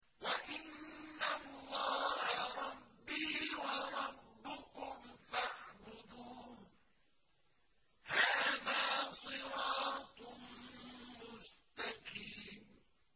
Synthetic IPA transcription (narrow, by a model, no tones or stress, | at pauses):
waʔɪnːalːɑːhaɾˤɑbːiːwɑɾˤɑbːʊkʊmfaʕbʊd̪uː | haːðaːsˤɨɾɑːt̪ | mʊst̪aqiːm